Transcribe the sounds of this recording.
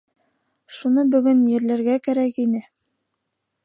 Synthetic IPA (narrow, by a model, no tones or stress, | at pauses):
ʃunɤbɵ̆ɡɵnjɘ̆ɾlæɾɡækæɾækinɘ